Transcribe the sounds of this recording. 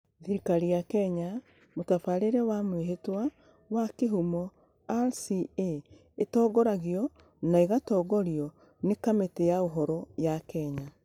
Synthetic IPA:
ðiɾikaɾijakɛɲa | motafaɾeɾɛwamweɦetwa | wakeɦumɔ | asie | etɔːɡɔɾaɣiɔ | naiɣatɔːɡɔɾiɔ | nekametejaoɦɔɾɔjakɛɲa

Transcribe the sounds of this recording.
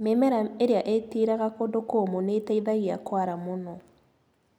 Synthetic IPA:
memɛɾaeɾeaʔetiɾaɣakodokoːmonetaiðaɣiakwaɾamonɔ

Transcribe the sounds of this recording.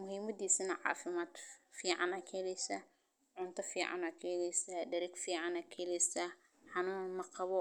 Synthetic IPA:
mʊhiːmɐd̪iːsɪnɐʕɑ̰ːfɪmaːd̪fiːʕɑ̰nɐkʰɛlɛsɐ | ʕʊnt̪ʰɐfiːʕɑ̰nɐkʰɛːlɛjsɐdɐɾɛkfiːʕɑnɐkʰɛlɛsɐ | ħɑnuːnmɐqɑβɔ

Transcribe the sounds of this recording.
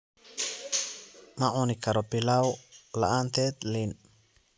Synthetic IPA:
maʔunikaɾopilawla̰ʔant̪et̪lin

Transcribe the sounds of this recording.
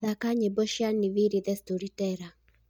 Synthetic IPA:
ðakaɲebɔʃjaniviɾiðɛstoɾitɛɾa

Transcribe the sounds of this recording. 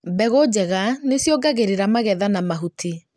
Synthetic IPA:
bɛɣod͡ʑɛɣanesjoɡaɣeɾeɾamaɣɛðanamaɦutʰi

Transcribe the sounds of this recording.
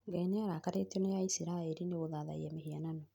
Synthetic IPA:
ŋɡaineaɾakaɾetiɔnejaisiɾaeɾineɣoðaða̰ḭɛmehiananɔ

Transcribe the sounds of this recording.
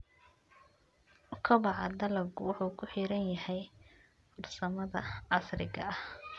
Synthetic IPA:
kʰɔβɑʕɑ̰d̪ɐlɐɡʊwʊħuːkʰʊħiːɾɐnjɐhɛj | ʊrsɐmɐðɐʕɑsrɪɣɐɐh

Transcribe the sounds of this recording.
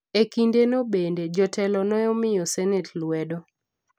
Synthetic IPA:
ekindenobended͡ʒɔtʰɛlɔnɔjɔmɪjɔsɛnɛtlwɛdɔ

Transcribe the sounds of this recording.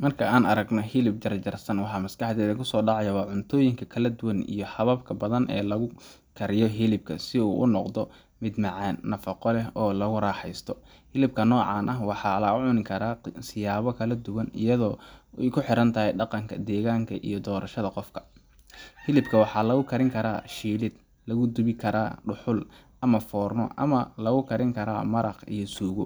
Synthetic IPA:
mɐrkʰɐaːnɐɾɐɡnɔɦɪlɪb̚d̪ɐrt͡ʃɐrsɐnwɑħɑːmɐskɑħd̪ɛːðɪŋkʰʊsɔːɖɑʕɑjɐwɑːʕʊnt̪ʰɔːjɪŋkʰɐkʰɐlɐd̪ʊwɐnḭjɞħɐβɐbkʰɐbɐðɐnʔɛ̰ːlɐɣʊ | kʰɐɾɪjɔɦɪlɪb̚kʰɐ̰sɪṵːʔʊ̰nɔqd̪ɔ | mɪd̪mɑʕɛːnːɐfɑqɔlɛɦɔːlɐɣʊɾaːħɛjst̪ʰɔ | hɪlɪb̚kʰɐnɔːʕɑːnʔɐɦwɑħɑːlɐʊʕʊnɪkʰɐɾaːsɪjaːβɔkʰɐlɐd̪ʊwɐnɪ̰jɐðɔːɛjkʰʊħɪɾɐnt̪ʰɐɦɛjɖɑqɑŋkʰɐd̪ɛːɣaːŋkʰɐʔḭjɞd̪ɔːɾʔɐʃɐðɐqɔfkʰɐ̥ | hɪlɪbkʰɐwɑħɑːlɐɣʊkʰɐɾɪŋkʰɐɾa̰ːʃiːlɪd̪̚ | lɐɣʊd̪ʊβɪkʰɐɾaːɖʊħʊl | ɐmɐfɔːrnɔ̰ʔɐ̰mɐlɐɣʊkʰɐɾɪŋkʰɐɾa̰ːmɐɾɑqḭjɔsuːɣʊ

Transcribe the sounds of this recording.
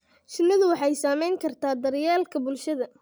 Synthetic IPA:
t͡ʃɪnːɐðʊwɑħɑjsaːmɛjŋkʰɐrt̪ʰaːd̪ɐɾjaːlkʰɐbʊlʃɐðɐ

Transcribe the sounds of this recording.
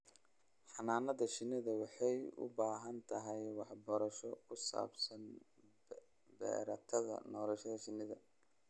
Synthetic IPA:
ħɑnaːnɐðɐʃɪnɪðɐwɑħɑjʊ̰baːɦɐnt̪ʰɐɦɛjwɑħbɔːɾɐʃɔkʰʊsa̰ːbsɐn | bɛ̰ːɾɐt̪ʰɐðɐ̰nɔːlɐʃɐðɐʃɪnɪðɐ

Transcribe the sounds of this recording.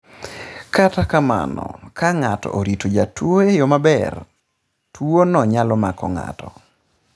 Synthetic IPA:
katakama̰nɔ̰kaŋatɔ̰ʔoɾitod͡ʒatwoejomabɛr | tʰwonɔɲalɔmakɔ̰ŋa̰tɔ

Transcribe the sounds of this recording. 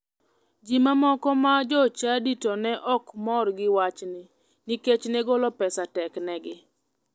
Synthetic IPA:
d͡ʒimamɔkɔmad͡ʒɔt͡ʃaditɔnɛʔɔkmɔrɡɪwat͡ʃnɪ | niket͡ʃnɛɡɔlɔpɛsatɛknɛɡɪ

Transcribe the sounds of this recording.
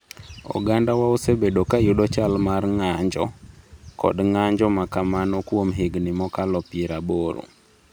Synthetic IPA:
ɔ̰ɡandawaosebedokajʊɗɔt͡ʃalmarŋaɲd͡ʒɔkɔ̰dŋaɲd͡ʒɔmakamanɔkwomɦeɡnɪmɔkalɔpiɾaboɾo̰

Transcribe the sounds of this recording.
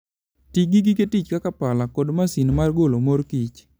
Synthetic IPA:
tiɡiɡiketit͡ʃkakapalakodmasinmarɡolomorkit͡ʃ

